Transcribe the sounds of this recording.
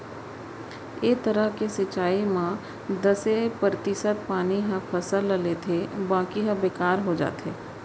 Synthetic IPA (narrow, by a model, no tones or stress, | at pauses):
eːt̪əɾəɦkesɪt͡ʃaːimã | d̪ɐsepɾət̪ɪʃət̪̚paːniɦɐ̃pʰɐsəlːəleːt̪ʰebãːkiɦə̃beːkaːɾɦod͡ʒa̰ːt̪ḛː